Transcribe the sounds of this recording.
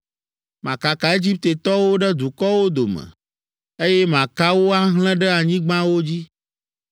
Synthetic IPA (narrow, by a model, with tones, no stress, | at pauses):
mã˨ka˨ka˨e˦d͡ʑi˦p̚t̪e˨t̪ɔ˦wo˦ɖɛ˦d̪u˨kɔ˦wo˦d̪o˨mɛ̰̃˨ | e˦jɛ˦mã˨ka˦wo˦a˦ɦl̃ɛ̃˦ɖɛ˦a˨ɲĩ˦ɡ͡bã˦wo˦d͡ʑi˦